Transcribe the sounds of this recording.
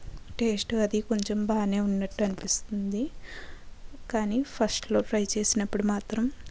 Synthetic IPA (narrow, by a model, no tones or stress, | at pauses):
ʈe̞ːsʈɐd̪iko̞ɲt͡ʃembaːne̞ːunːɐʈːuɐnipist̪und̪i | kaːniːpʰɐsʈlo̞ːʈɾɐjt͡ʃe̞ːsinɐpːuɽumaːt̪ɾɐm